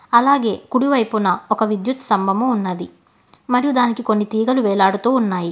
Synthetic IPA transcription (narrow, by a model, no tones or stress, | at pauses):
ɐlaːɡe̞ːkuɽiʋɐjpunɐɔkɐʋid̪jut̪sɐmbʱɐmuːnːɐd̪i | mɐɾijud̪aːnikiko̞nːit̪iːɡɐluʋɛːlaːɽut̪oːunːaːji